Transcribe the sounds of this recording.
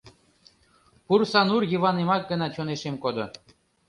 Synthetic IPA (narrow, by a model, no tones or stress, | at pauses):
pursɑnurjɯβɑnemɑk̚ɡə̆nɑt͡ɕoneʃemkod̪o